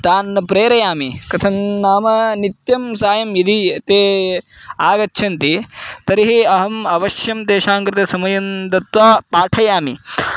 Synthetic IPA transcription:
t̪aːnːɐpɾeːɾɐjaːmikɐt̪ʰɐnːaːmɐnit̪jɐmsaːjɐmjid̪ʱit̪eː | aːɡɐtːʃʰɐnt̪it̪ɐɾiɦiɐɦɐmɐʋɐʃjɐmt̪eːʃaːŋkɾɪt̪ɐsɐmɐjɐnd̪ɐt̪ʋaːpaːʈʰɐjaːmi

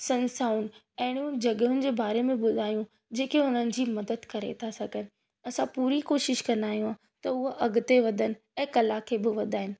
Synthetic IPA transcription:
sɐ̃nsaːʊn | ɛ̃ɦɪɽ̃ijũd͡ʑɐɡəɦʊnɪ̆d͡ʑeːbaːɾemẽɓʊd̪ʱaːijũ | d͡ʑeːkeʊnənɪ̆d͡ʑiːmɐd̪əd̪kɐɾḛt̪ʰasɐɡʱənɪ̆ | ɐsãpuːɾikoːʃɪʃkɐ̃nd̪aːɦijũaː | t̪ɐʊɦoʔɐɡʱʊt̪eʋɐd̪ʱənɪ̆ | ɛ̃ːkɐlakʰeːbɪʋɐd̪ʱaːɦɪnɪ̆

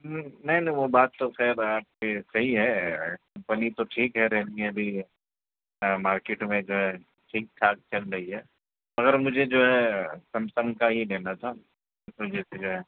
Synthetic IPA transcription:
nɐɦĩnɐ̃ɦĩʋobaːt̪ːoxɛːɾaːp̚kesɐɦiɦɛkɐ̃mpənit̪oʈʰiːkɦɛɾɛɦnimẽbʱi | maːɾkeːʈmẽd͡ʒoːɦɛ | ʈʰiːk̚t̪ʰaːkt͡ʃɐlɾɐɦiɦɛː | mɐɣəɾmʊd͡ʒʱed͡ʒoːɦɛsɐmsə̃ŋɡkaɦileːnat̪ʰa | mʊd͡ʒʱesed͡ʒoːɦɛ

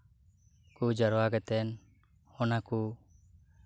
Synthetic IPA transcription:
kud͡ʒəɾɔwaɡɛt̪ɛn | ɔnaku

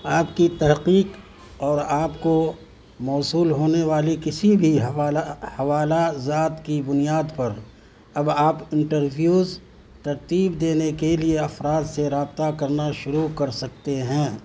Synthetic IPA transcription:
aːp̚kit̪ɐɦqiːq | ɔːɾaːpko | mɔːsuːlɦoːneʋaːlikɪsibʱiɦaːahɐʋaːlazaːt̪kibʊnijaːd̪pɐɾ | ɐbaːpɪ̃ɳʈəɾbjuːz | t̪ɐɾt̪iːbd̪eːnekelieɐfɾaːd̪seɾaːb̚t̪akɐɾnaʃʊɾukɐɾsɐk̚t̪eɦɛ̃ː

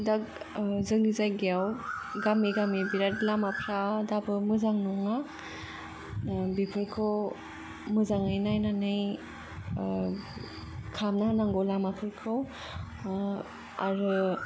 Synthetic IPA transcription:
dak̚ | zɯŋizajɡjawɡamiɡamibiɾatlamapʰɾadabɯmɯzaŋnɔŋa | bipʰɯɾkʰɯw | mɯzaŋɯjnajnanɯj | kʰamnanaŋɡɔlamapʰɯɾkʰɯw | aɾɯ

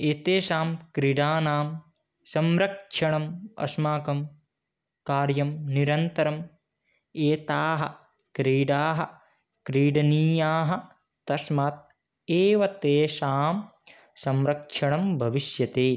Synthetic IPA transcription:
eːt̪eːʃaːmkɾiɖaːnaːm | sɐmɾɐkʂʰɐɳɐmɐ̰smaːkɐm | kaːɾjɐmniɾɐnt̪ɐɾɐm | eːt̪aːɦɐ̰̆ | kɾiːɖaːɦɐ̆ | kɾiːɖɐniːjaːɦɐ̆ | t̪ɐsmaːt̪̚ | eːʋɐt̪eːʃaːm | sɐmɾɐkʂʰɐɳɐmbʱɐʋiʃjɐt̪eː

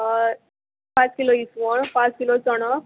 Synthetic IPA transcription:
pãt͡skiloisʋɔɳpãt͡skilot͡sɔɽɔ

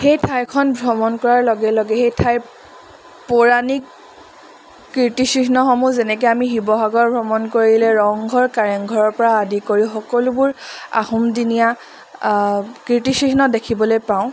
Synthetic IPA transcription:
xejtʰajkʰɔnbʱɹɔmɔnkɔɹaɹlɔɡɛlɔɡɛxejtʰaj | poɹanik | ɹitisɹiɦnɔxɔmuzenɛkoamiɦibɔɦaɡɔɹbʱɹɔmɔnkoɹidilɛɹɔŋɡʱɔɹkaɹɛŋɡʱɔɹɔɹpɔɹaːdikoɹixɔkɔlʊbʊɹa̰humdinija | kɹitisɹiɦnɔdekʰibɔlojpaʊ̃

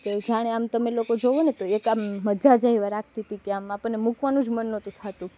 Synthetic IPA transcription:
ked͡ʒaɽ̃eamt̪əmelokod͡ʒoʋonet̪oekamːəd͡ʒad͡ʒaɦiʋaɾak̚ʰt̪it̪ikeamapəɳnemukʋanũd͡ʒmənːot̪ũt̪ʰat̪ũ

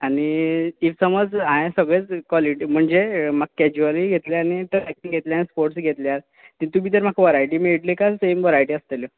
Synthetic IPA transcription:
aniːʋsəməd͡zãjẽsəɡɭet͡skʋɔliʈim̤əɳd͡zemaɡ̚kɛd͡ʑualiɡʱet̪leañiʈəɾɛk̚ʈiŋɡʱet̪ljaanispoɾʈsɡʱet̪ljaɾ | t̪ĩt̪um̤iːt̪əɾm̤akʰaʋəɾajʈiːmiɭʈlekasemʋəɾajʈiːəst̪eljə

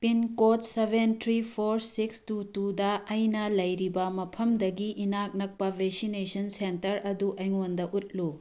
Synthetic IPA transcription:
pinkotsebʱentʰɾipʰoɾsikstutudɐːjnɐlɐjɾibɐmɐpʰɐmdɐɡiʔinak̚nɐk̚pɐbʱeksinesɐnsentɐɾɐduʔɐjŋondɐʔut̚lu

